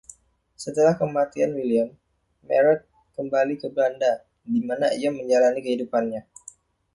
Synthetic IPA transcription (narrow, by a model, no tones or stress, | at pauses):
sət̪əlahkəmat̪ianwiliamː | ɛ̰ɾɛt̪̚ | kəmbalikəblanda | dimanaijaməɲd͡ʒalanikəhidupanɲa